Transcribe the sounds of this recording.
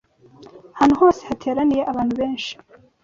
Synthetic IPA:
haːn̥uho̞ːsehatʰe̞ːɾanije̞ʔaβaːnhuβe̞ːnʃi̥

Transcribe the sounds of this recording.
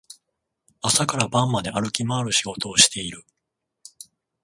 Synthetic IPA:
asakaɾabãmːad̪e̞ʔaɾɯ̟kʲimaːɾɯ̟ɕiɡo̞t̪o̞ːɕi̥t̪e̞iɾɯ̟

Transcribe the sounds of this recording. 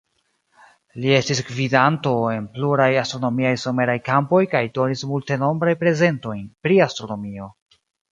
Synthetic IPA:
lie̞stisɡvidanto̞e̞npluɾajastɾo̞no̞miajsome̞ɾajkampo̞jkajdo̞nismulte̞no̞mbɾajpɾe̞ze̞nto̞jnpɾiastɾo̞no̞mio̞

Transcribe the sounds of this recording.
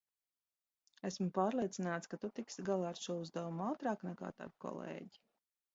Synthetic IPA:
æsmupaːɾlˠiɛt̪sinaːt̪skat̪ut̪iksɡalˠaːɾʃuɔuzd̪avumawt̪ɾaːknɛka̰ːt̪a̰vkɔ̰lˠḛːɟi̥

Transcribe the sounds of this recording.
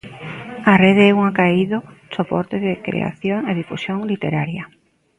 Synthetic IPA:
areðeɛuŋakaiðo | sopɔɾt̪eðɪkɾḛa̰θjoŋeðifusjoŋlit̪eɾaɾja

